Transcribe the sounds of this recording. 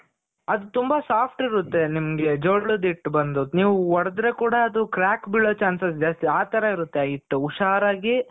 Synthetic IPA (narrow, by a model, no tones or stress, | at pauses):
ɐd̪ut̪umbɐsaːpʰʈiɾut̪ːe̞nimɐɡe̞d͡ʒoɭːud̪iʈːbɐnd̪uniːʋuɔɽɐd̪ɾekuːɽɐːd̪ukɾaːkbiɭːoːt͡ʃaːnsɐs̬d͡ʒɐːst̪eaːt̪ɐɾɐiɾut̪ːeiʈːuuʃaːɾaːɡi